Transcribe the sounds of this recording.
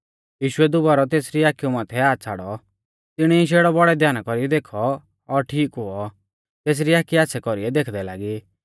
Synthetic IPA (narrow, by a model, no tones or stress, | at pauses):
jiːʃʊɛd̪ʊbaːɾɔt̪eːsɾiaːkijumaːt̪ʰɛaːt͡sʰaɽɔ | t̪ɪɽ̃ɛiʃ̬eːɽɔbɔɽɛd̪ʱjaːnakɔɾiɛd̪eːkʰɔː | ɾʈʰiːkɦʊɔ | t̪eːs̬ɾiaːkiaːtːsʰɛkɔɾiɛd̪eːkʰd̪ɛla̰ːɡi